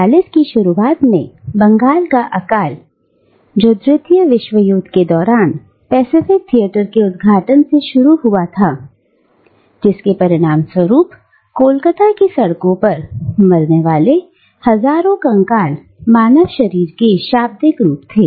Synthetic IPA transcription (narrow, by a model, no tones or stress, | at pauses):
aːlɪskiʃʊɾuaːt̪mḛ̃bɐ̃ŋɡaːlkaʔɐkaːl | d͡ʒoːd̪ɾɪt̪ʰijəʋɪʃʋəjuːd̪ked̪ɔːɾaːn | pɛːsɪfɪk̚t̪ʰijəʈəɾkeʊd̪ɡʱaːʈənseʃʊɾuɦʊat̪ʰaː | d͡ʒɪskepɐɾɪɽ̃aːmswəɾuːp | koːlkət̪akisɐɽkõpɐɾmɐɾneʋaːle | hɐzaːɾõkɐ̃ŋkaːl | maːnəʋʃɐɾiːɾkeʃaːb̚d̪ɪkɾuːpt̪ʰeː